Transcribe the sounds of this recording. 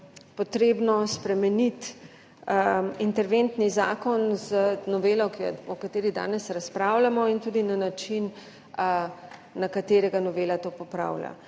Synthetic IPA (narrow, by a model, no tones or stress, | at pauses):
pɔt̪ɾeːbnɔspɾɛmɛnit̪ | int̪ɛɾʋent̪nizaːkɔnzənɔʋeːlɔkiɡa̰ɔkat̪eːɾid̪a̰ːnɛsɾɐspɾaːwlamɔint̪uːd̪inanat͡ʃin | nakat̪eːɾɛɡanɔʋeːlat̪oːpɔpɾa̰ːwla̰